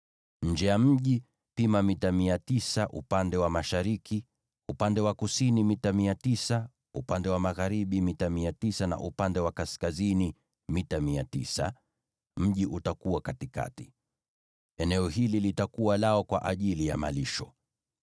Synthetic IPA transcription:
ɲ̩d͡ʒɛjam̩ʄi | pimamitamiatisaʔṵpandɛwamaʃaɾiki | upandɛwakusinimitamiatisa | upandɛwamaɣaɾiɓimitamiatisana̰ʔupandɛwakaskazini | mitamiatisa̰ | m̩ʄiʔutakuwakatika̰ti̥ | ɛnɛɔɦililitakuwalaɔkwa̰ʔaʄilija̰ma̰liʃɔ

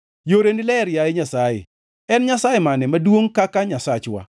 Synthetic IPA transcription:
joɾendilɛɾjajeɲasajḛ | ɛnɲasajemanɛmadwoŋkakaɲasat͡ʃwa̰

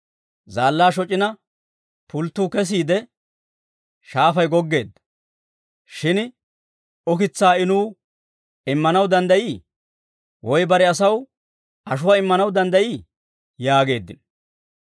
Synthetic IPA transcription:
zaːlːaːʃɔt͡ʃʼːɪnɐ | pʊlt̪ːuːkɛs̬iːd̪ɛ | ʃaːfɐjɡɔɡːe̞ːd̪ːɐ̥ | ʃɪn | ɔkɪt͡sːaːɪnuː | ɪmːɐnɐwd̪ɐnd̪ɐjiː | wʔɔjbɐɾɛɐs̬ɐw | ʔɐʃʊwaːɪmːɐnɐwd̪ɐnd̪ɐjiː | jaːɡe̞ːd̪ːɪ̰n

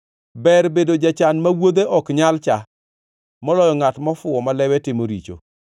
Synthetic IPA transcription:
bɛɾbedod͡ʒat͡ʃanmawod̪eʔɔkɲalt͡ʃa | mɔlɔjɔŋatmɔfʊɔmalɛwɛtɪmoɾit͡ʃo̰

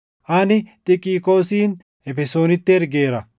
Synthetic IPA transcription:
ʔɐnɪt̪ʼɪkʼiːko̞ːsiːn | ɛfɛso̞ːnɪt̪ːɪɛɾɡe̞ːɾɐ

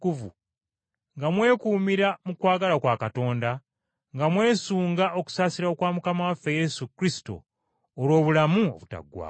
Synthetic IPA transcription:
kuvṵ | ŋɡamwe̞ːkuːmiɾamukwaːɡalakwaːkato̞ːnda | ŋɡamwe̞ːsuːŋɡaʔo̞ku̥saːsiɾaokwaːmukamawafːe̞je̞sukɾisi̥to̰ː | lwo̞ːβulamuo̰βuta̰ɡːwa̰ː

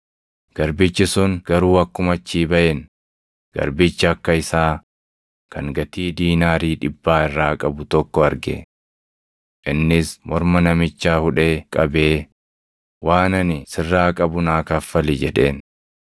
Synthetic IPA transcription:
ɡ̥ɐɾbɪt͡ʃːɪsʊŋɡ̥ɐɾuːɐkːʊmɐt͡ʃːiːbɐʔɛn | ɡ̥ɐ̰ɾbɪt͡ʃːɐɐkːɐɪsaː | kɐŋɡɐt̪iːd̪iːnaːɾiːᶑɪbːaːɪrːaːkʼɐbʊt̪ɔkːɔɐɾɡɛ̰ | ʔɪnːɪsmɔɾmɐnɐmɪt͡ʃːaːhʊᶑeːkʼɐbeː | waːnɐnɪsɪrːaːkʼɐbʊnaːkɐfːɐlɪd͡ʒɛᶑe̞̰ːn

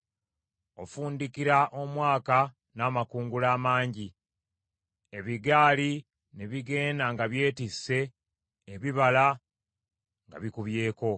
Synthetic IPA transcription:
o̞fuːndikiɾaʔo̞mwaːka | naːmakuːŋɡulaːmaːɲɟi | e̞βiɡaːli | ne̞βiɡe̞ːndaŋɡaβje̞ːtisːe̞ː | βiβala | ŋɡa̰βikuβje̞ːko̞

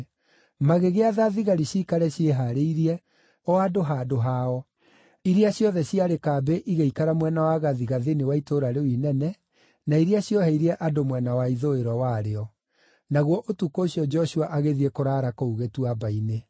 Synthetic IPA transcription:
maɣeɣeaðaðiɣaɾiɕikaɾɛɕjeɦaɾeiɾiɛ | ɔadoɦadoɦaɔ | iɾiaɕjɔðɛɕiaɾekaːbeʔiɣeikaɾamwɛnawaɣaðiɣaðinewaitoɾaɾewinɛnɛ | naiɾiaɕjɔhɛiɾɛʔadomwɛnawaiðoeɾwawaɾeɔ | naɣwɔʔotukoːɕijɔd͡ʒɔʃuaʔaɣeðiɛkoɾaːɾakouɣetuabaine

